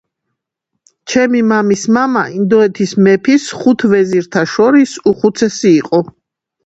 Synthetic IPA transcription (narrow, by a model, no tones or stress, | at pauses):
t͡ʃʰɛmimamismamaʔind̪ɔɛt̪ʰismɛpʰisχut̪ʰvɛziɾt̪ʰaʃɔɾisuχut̪sʰɛsiːqʼɔ